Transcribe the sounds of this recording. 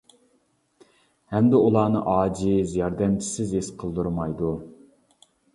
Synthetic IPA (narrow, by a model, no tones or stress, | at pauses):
hɛmd̪ɪulˠɑːnɨ̰ʔɑːd͡ʒizijɑɾd̪ɛmt͡ʃʰi̥sɪzesqʰəlˠd̪uɾmɑjd̪u